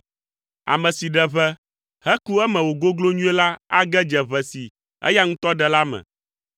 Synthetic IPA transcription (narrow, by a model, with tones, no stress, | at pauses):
a̰˨mɛ̃˨si˨ɖɛ˨βɛ˦ | hɛ˦ku˦ɛ˦mɛ̃˨wo˨ɡo˦ɡlo˦ɲũ˦e˦la˦a˦ɡɛ˦d͡ʒɛ˨βɛ˨si˨ | ɛ̰˦ja˦ŋũ˦t̪ɔ˦ɖɛ˨la˦mɛ̰̃˨